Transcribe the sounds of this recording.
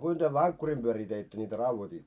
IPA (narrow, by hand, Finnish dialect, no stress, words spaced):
kuin tyø ʋɑŋkːurim b̥yøriː teitːø nʲitæ rɑuʋotiːtːo